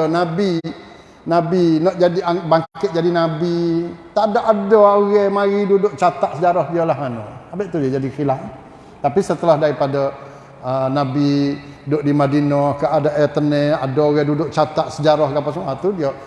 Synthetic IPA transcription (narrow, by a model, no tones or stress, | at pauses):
nabi | nabinɔʔd͡ʒadiabaŋkɪt̪̚d͡ʒadinabit̪aʔdaʔadɔoɣɛmaɣidudʊʔ̚t͡ʃat̪aʔsəd͡ʒaɾɔhdiolahmanɔ̰abeʔt̪udiad͡ʒadixilah | t̪apisət̪əlahdaɾipadə | ənabidʊʔdimadinɔhkaʔadaʔɛt̪ənɛadooɣɛdudʊʔt͡ʃat̪aʔsəd͡ʒaɾɔhɡapasmuat̪udiə